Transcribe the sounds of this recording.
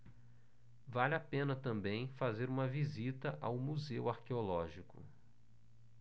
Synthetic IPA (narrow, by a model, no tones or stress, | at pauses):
valapẽnɐt̪ɐ̃mbẽj̃fazeɾũmɐvizit̪ɐʔawmuzewaɾkeolɔʒikʊ̰